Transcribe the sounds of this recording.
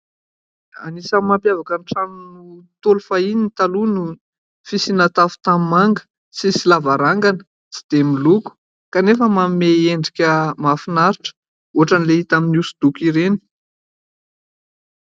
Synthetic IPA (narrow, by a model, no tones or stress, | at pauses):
a̰nisammampjavakanʈ͡ʂanunut̪olufaininit̪alunu | fisinat̪afu̥t̪amimaŋɡə̥ | sisilavaɾaŋɡanə̥ | si̥d̪emiluku̥ | kanefəmameeɳɖ͡ʐikʲəmafinaɾiʈ͡ʂə̥ | oɦaʈ͡ʂanileit̪aminusud̪̥ukiɾeni̥